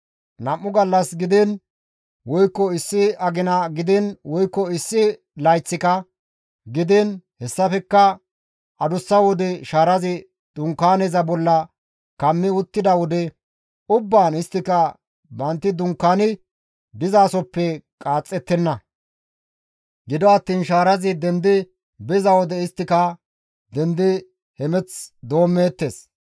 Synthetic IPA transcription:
nɐmːʊɡɐlːɐsɡɪd̪ɪn | wɔjkːɔɪsːɪɐɡɪnɐɡɪd̪ɪnwɔjkːɔɪsːɪ | lɐjt͡sːɪkɐ | ɡɪd̪ɪnhɛsːɐfɛkːɐ | ʔɐd̪ʊsːɐwɔd̪ɛʃaːɾɐzɪ | d̪̥ʊŋkːaːnɛzɐbɔlːɐ | kɐmːɪʊt̪ːɪd̪ɐwɔd̪ɛ | ʊbːaːnɪst̪ːɪkɐ | bɐnt̪ːɪd̪ʊŋkːaːnɪ | d̪ɪzaːsɔpːɛkʼaːt͡sʼːɛt̪ːɛnːɐ | ɡɪd̪ɔɐt̪ːiːnʃaːɾɐzɪd̪ɛnd̪ɪ | bɛzɐwɔd̪ɛɪst̪ːɪkɐ | d̪ɛnd̪ɪ | hɛmɛt͡sd̪o̞ːmːeːt̪ːeːs

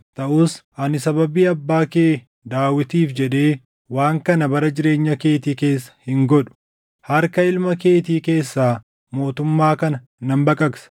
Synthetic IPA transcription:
t̪ɐʔuːsʔɐnɪsɐbɐbiːɐbːaːke̞ː | d̪aːwɪt̪iːfd͡ʒɛᶑe̞ː | waːŋkɐnɐbɐɾɐd͡ʒɪɾe̞ːɲːɐke̞ːt̪iːke̞ːsːɐ̥hɪŋɡɔᶑʊ̥ | hɐɾkɐɪlmɐke̞ːt̪̬iːke̞ːsːaː | mo̞ːt̪ʊmːaːkɐnɐ | nɐmbɐkʼɐksɐ̥

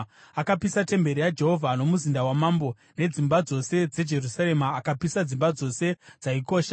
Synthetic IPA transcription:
akapisate̞mbe̞ɾijad͡ʒe̞ɦo̞vʱano̞muzindawamambo̞ | ne̞d͡zimbad͡zo̞se̞d͡ze̞d͡ʒe̞rusaɾe̞maːkapisad͡zimbad͡zo̞se̞d͡zaiko̞ːʃa

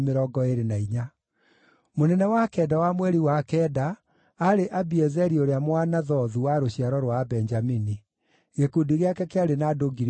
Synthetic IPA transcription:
meɾɔɡɔeɾenaiɲa | monɛnɛwakɛdawamwɛɾiwakɛdaː | ɾeʔabiɛzɛɾioɾeamwanaðɔðuwaɾoɕijaɾɔɾwabɛnd͡ʒamini | ɣekudiɣeakɛkeaɾenadoɡiɾ

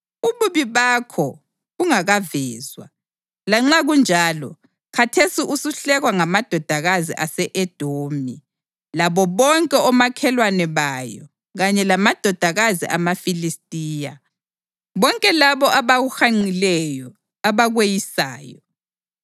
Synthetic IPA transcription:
uβuβiβakʰɔ | ɣuŋaɣavɛːzwa | laŋ͡ǁaɣund͡ʒʱaːlɔ̰ | kʰatʰesiʔusuɬɛɣwaŋamad̥ʱɔd̥ʱaɣazḭʔasɛʔɛd̥ʱoːmi | laβɔβɔŋkʼɛɔmakʰɛlwanɛβajɔ̰ | ɣaɲɛlamad̥ʱɔd̥ʱaɣazḭʔamafilistʼiːja | βɔŋkʼɛlaβɔʔaβaɣuxaŋ͡ǀilɛjɔ | aβaɣwejisa̰ːjɔ

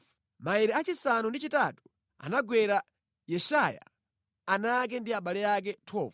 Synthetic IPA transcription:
maiɾɛat͡ʃisanundit͡ʃitatu̥ | a̰naɡwɛɾa | jɛʃaja̰ | anak̬ɛndiaɓalɛjak̬ɛtʰɔːv

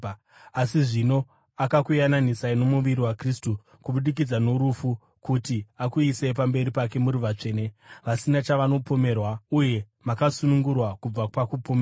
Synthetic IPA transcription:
asiʐino̞ | akakujananisaino̞muʋiɾiwakristu | kuɓuɗik̬id͡zano̞ɾufu | kutiakuise̞p̬ambe̞ɾipake̞muɾuʋat͡ʂe̞ːneʋasinat͡ʃaʋano̞po̞me̞rwauje̞ | makasunuŋɡurwakub͡vaakupome

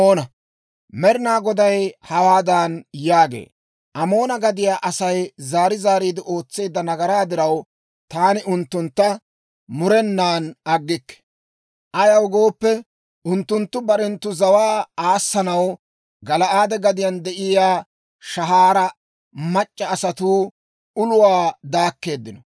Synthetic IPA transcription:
oːnɐ | mɛɾɪnaːɡɔd̪ɐjhɐwaːd̪anjaːɡḛː | ʔɐmo̞ːnɐɡɐd̪ɪjaːʔɐsɐjzaːɾɪzaːɾiːd̪ɪʔo̞ːt͡sːe̞ːd̪ːɐnɐɡɐɾaːd̪ɪɾɐw | t̪aːnɪʔʊnt̪ːʊnt̪ːɐ | mʊɾɛnːaːnɐɡːɪkːɛ̥ | ʔɐjɐwɡo̞ːpːɛ | ʔʊnt̪ːʊnt̪ːʊbɐɾɛnt̪ːʊzɐwaːaːsːɐnɐw | ɡɐlɐʔaːd̪ɛɡɐd̪ɪjɐnd̪ɛʔɪjaː | ʃɐɦaːɾɐ | mɐt͡ʃʼːɐːsɐt̪uː | ʊlʊwaːd̪aːkːe̞ːd̪ːɪnɔ

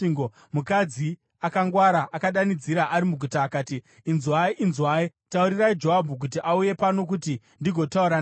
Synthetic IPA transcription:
iŋɡo | mukad͡zi | akaŋɡwaɾaʔakaɗanid͡ziɾaʔaɾimuɡʱutaːkaːtiː | nzwaiʔinzwaːitauɾiraid͡ʒo̞ɦabʱuk̬ut̬iʔauje̞pano̞k̬uti | ndiɡʱo̞tauɾan

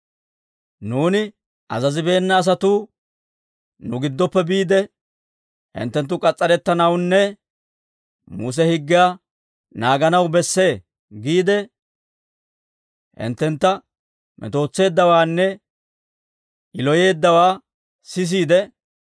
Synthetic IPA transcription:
nuːnɪ | ʔɐzɐzɪbe̞ːnːɐːs̬ɐt̪uː | nʊɡɪd̪ːɔpːɛbiːd̪ɛ | hɪ̰nt̪ːɛnt̪̬ːʊkʼɐt͡sʼːɐɾɛt̪ːɐnɐwnːɛ | mṵːs̬ɛhɪɡːɪjaː | naːɡɐnɐwbɛsːe̞ː | ɡiːd̪ɛ | hɪ̰nt̪ːɛnt̪ːɐ | mʔɛ̰t̪o̞ːt͡sːe̞ːd̪ːɐwaːnːɛ | ʔɪlɔje̞ːd̪ːɐwaː | sɪs̬iːd̪ɛ

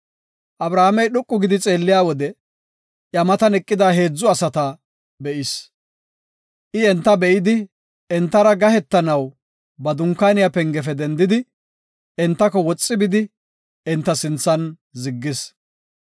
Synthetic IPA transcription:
ʔɐbɾaːamɛjɗʊkʼːʊɡɪd̪ɪt͡sʼe̞ːlːɪjaːwɔd̪ɛ | ʔjɐmɐt̪ɐnɛkʼːɪd̪aːɦeːd͡zːʊɐsɐt̪ɐ | bɛʔɪs | ʔɪɛnt̪ːɐbɛʔɪd̪ɪ | ɛnt̪ːɐɾɐɡɐhɛt̪ːɐnɐw | bɐd̪ʊŋkːaːnɪjapɛŋɡɛfɛd̪ɛnd̪ɪd̪ɪ | ɛnt̪ːɐkɔwɔt͡sʼːɪbɪd̪ɪ | ɛnt̪ːɐsɪnt͡sːɐn | zɪɡːɪs

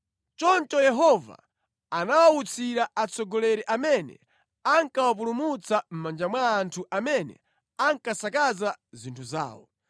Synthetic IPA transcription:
t͡ʃɔnt͡ʃɔjɛɦɔva̰ | anawaut͡sʰiɾaat͡sɔɡɔlɛɾɛʔamɛnɛ̰ | aŋkawapulumut͡sam̩mand͡ʒamwaːntʰuʔamɛnɛ̰ | aŋkasakazazintʰuza̰ːwɔ

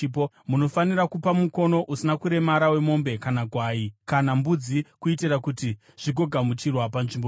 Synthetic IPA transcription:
po | muno̞faniɾakupamuko̞no̞ʔusinakuɾe̞maɾawe̞mo̞mbe̞kanakwaːikanambud͡zikuitirakuti | ʐ̥iɡʱo̞ɡʱamut͡ʃirwapanʐimbo

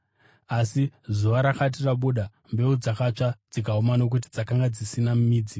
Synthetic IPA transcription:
asizuʋaɾakat̬iraɓuɗa | mbe̞ud͡zakat͡ʂad͡zikaumano̞k̬ut̬id͡zakaŋɡad͡zisinamumiːd͡zi

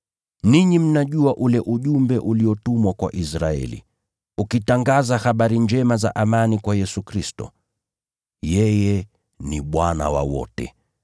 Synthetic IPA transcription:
niɲim̩naʄuaʔulɛʔuʄumbɛʔuliɔtumwakwaʔisɾaɛ̰lḭ | ukitaŋɡazahaɓaɾind͡ʒɛmazaʔamanikwajɛsukɾistɔ | jɛjɛ | niɓwana̰wa̰wɔ̰tɛ̰

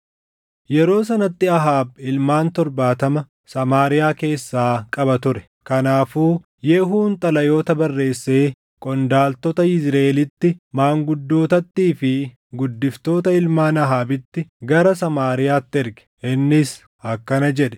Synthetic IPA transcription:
jɛɾo̞ːsɐnɐt̪ːɪɐɦaːb̚ɪlmaːnt̪ɔɾbaːt̪ɐmɐ | sɐmaːɾɪjaːke̞ːsːaːkʼɐbɐt̪ʊɾɛ̥ | kɐnaːfuː | jɛːɦuːnt̪ʼɐlɐjo̞ːt̪ɐbɐrːe̞ːsːe̞ː | kʼɔnd̪aːlt̪ɔt̪ɐɪzɾɐelɪt̪ːɪmaːŋɡʊd̪ːo̞ːt̪ɐt̪ːiːfɪ | ɡʊd̪ːɪft̪o̞ːt̪ɐɪlmaːnɐɦaːbɪt̪ːɪɡɐɾɐsɐmaːɾɪjaːt̪ːɪɛɾɡɛ̥ʔɪnːɪs | ɐkːɐnɐd͡ʒɛᶑɛ̥

